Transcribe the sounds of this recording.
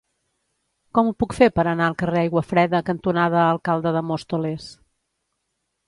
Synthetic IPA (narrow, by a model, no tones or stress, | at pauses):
kɔmupukfepəɾənaəlˠkəreajɣwəfɾɛðəkənt̪unaðəːlˠkalˠd̪əðəmost̪oles